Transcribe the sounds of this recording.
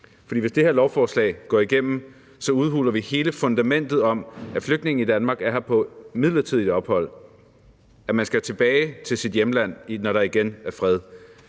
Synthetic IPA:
fɒdḭːʋe̝sd̥e̝heɐlɒʊfɒːslɛ̰ːɪɡ̥ɒ̰ːiɡ̥em̰m̩ | sɒ̽uð̞ˠhṵːlɐʋihe̝ːləfɔ̽nd̥æmen̰d̥ð̩ˠɒ̽mæfløɡ̥d̥ne̝ŋ̩id̥ænmɑ̈ːɡ̥æɐhɑpʰɒ̽mið̞̰ˠlɐt͡sʰiðˠid̥ɒ̽b̥hɒ̽l̰ | æmænsɡ̥æt͡sʰe̝b̥ɛːɪt͡sʰe̝lsid̥jemlæn̰nɒɾɑ̈iɡ̥enæɐfʁɛð̞ˠ

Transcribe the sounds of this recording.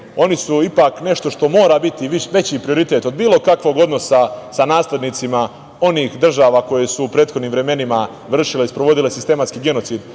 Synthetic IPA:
o̞nisuipaːkne̞ʃt̪o̞ʃt̪o̞mo̞ːɾaːbit̪iiʋe̞t͡ɕiːpɾio̞ɾit̪et̪o̞d̪biːlo̞kakʋo̞ɡo̞d̪no̞sasanaːsle̞d̪nit̪sima | o̞niːxd̪r̩ʒaːʋako̞je̞suːpɾeːt̪xo̞d̪niːmʋɾe̞me̞nima | ʋr̩ʃileispɾo̞ʋo̞d̪ilesist̪e̞mat̪skiːɡe̞no̞t̪siːd̪

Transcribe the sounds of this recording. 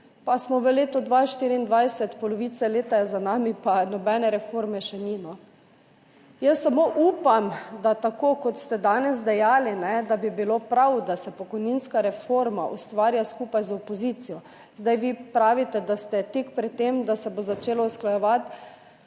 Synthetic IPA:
pasmɔʋəleːt̪ɔd̪ʋaʃt̪iɾiːnd̪ʋajsɛt̪pɔlɔʋit̪sɛleːt̪azanaːmipanɔbɛnɛɾɛfoɾmɛʃɛninɔ | jəsːamoʔuːpamd̪at̪akokɔt̪st̪ɛd̪aːnɛz̬d̪ɛjaːlinɛd̪abibilopɾawd̪asɛpɔkɔjninskaɾɛfoɾmaʔṵst̪ʋaːɾjaskuːpajzɔpɔziːt̪sijɔ | zd̪ajʋiːpɾaːʋit̪ɛd̪ast̪ɛt̪ikpɾɛt̪t̪ːemd̪asɛbozat͡ʃeːlɔusklajɛʋat̪

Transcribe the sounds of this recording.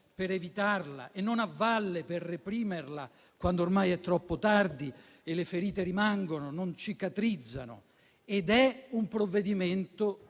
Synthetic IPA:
peɾevit̪arla̰ʔenːonavːalːepɪrːepɾiːmerla | kwand̪oːrmajɛt̪ːɾɔpːot̪ard̪i | elɪfeɾiːt̪eɾimaŋɡonʊnont͡ʃikat̪ɾid̪zːa̰nʊ̰ | ed̪ɛumpɾovːed̪iment̪ʊ

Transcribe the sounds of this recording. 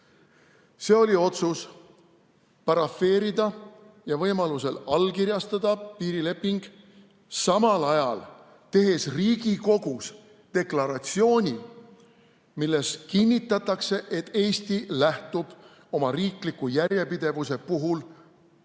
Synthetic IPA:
se̞ːo̞lʲio̞t̪sus | pɑɾɑfːe̞ːɾid̪ɑ | jɑvɤjmɑluse̞lɑlːkiɾjɑst̪ɑd̪̥ɑpiːɾile̞pːiŋɡ̥ | sɑmɑlɑjɑl | t̪e̞ɦe̞sriːɡiko̞ɡ̥us | t̪e̞klɑɾɑt̪sio̞ːnʲi | milːe̞skinʲːit̪ːˑɑt̪ːˑɑkse̞ʔe̞t̪ːe̞ːst̪ilæht̪ub̥ | o̞mɑriːklikːujæɾʲje̞pid̪̥e̞vuse̞puɦul

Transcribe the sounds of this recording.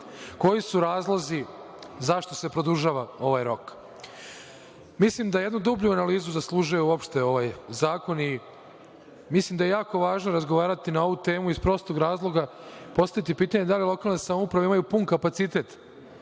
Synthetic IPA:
ko̞jisuɾaːzlˠozi | zaʃt̪o̞se̞pɾo̞d̪uʒaːʋao̞ʋajɾo̞k | mislimd̪ajed̪nud̪ubʎuanaliːzuzaslˠuːʒujuuo̞pʃt̪e̞o̞ʋajzaːko̞ni | mislimd̪aje̞jaːko̞ʋaːʒnoɾazɡo̞ʋaːɾat̪inao̞ʋut̪e̞ːmuispɾo̞st̪oɡɾaːzlˠo̞ɡa | po̞st̪aʋit̪ipiːt̪aɲe̞d̪alilˠo̞kaːlˠnesamoupɾaʋeimajupunkapat̪sit̪e̞t̪

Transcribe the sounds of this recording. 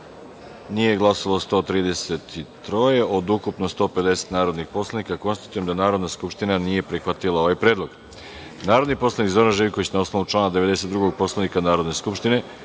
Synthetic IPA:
nije̞ɡlˠasolˠost̪o̞ːt̪ɾiːd̪e̞se̞t̪it̪ɾo̞je̞ʔo̞d̪ukupnost̪o̞ːpe̞d̪e̞se̥t̪naːɾo̞d̪nixpo̞slˠanikako̞nst̪ḁt̪ujemd̪anaːɾod̪naskupʃt̪inanije̞pɾixʋat̪ilˠao̞ʋajpɾe̞ːd̪lˠoɡ̥ | naːɾo̞d̪nipo̞slˠanikzo̞ɾanʒejiko̞ʋit͡ɕnaosno̞ʋut͡ʃlˠaːnad̪e̞ʋe̞d̪e̞se̞t̪d̪ɾuɡo̞ɡ̚po̞slˠanikanaːɾo̞d̪ne̞skupʃt̪ine̞

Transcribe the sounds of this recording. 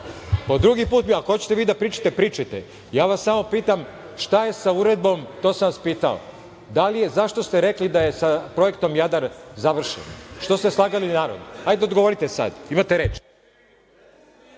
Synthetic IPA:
pod̪ɾuɡipuːt̪miakohot͡ɕe̥t̪eʋiːd̪apɾiːt͡ʃḁt̪epɾiːt͡ʃat̪ḛ | jaːʋasːamo̞piːt̪am | ʃt̪aje̞sauɾe̞d̪̚bo̞mt̪o̞ːsanʋaspiːt̪ao̰ | d̪alije̞zaʃt̪o̞st̪eɾeklid̪aje̞sapɾo̞je̞kt̪o̞mjad̪aɾzaʋr̩ʃḛnʃt̪o̞st̪eslˠaːɡalinaːɾo̰d̪noajd̪eod̪ɡoʋo̞ɾit̪esa̰d̪imat̪eɾe̞ːt͡ʃ

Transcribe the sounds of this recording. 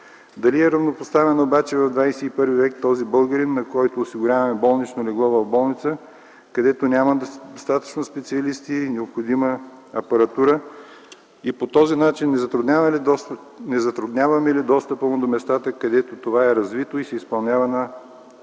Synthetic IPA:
d̪ɐliɛɾɐvnopost̪avɛnɐobat͡ʃɛvɐvd̪vajsɛipɤɾvivɛkt̪ɔzibəlˠɡəɾinːɐkɔjt̪oːsiɡʊɾʲavɐmɛbɔlˠnit͡ʃnolɛɡlˠɔvɐvbɔlˠnit̪sə | kɐd̪ɛt̪onʲamɐd̪st̪at̪ə̥t͡ʃnospɛt̪siɐlist̪inɛopxod̪imə | ɐpɐɾɐt̪uɾə | ipot̪ɔzinat͡ʃinːɛzt̪ɾud̪nʲa | nɛzɐt̪ɾud̪nʲavɐmɛlid̪ɔst̪əpəmod̪omɛst̪at̪əkɐd̪ɛt̪ot̪ovaɛɾɐzvit̪oisɛispɐlˠnʲavɐnə

